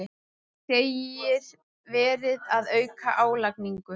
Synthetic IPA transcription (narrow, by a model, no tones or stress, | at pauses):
ɪ | seːjɪɾ | vɛːɾɪðaðœːɥkaʔaːwlakniŋkʏ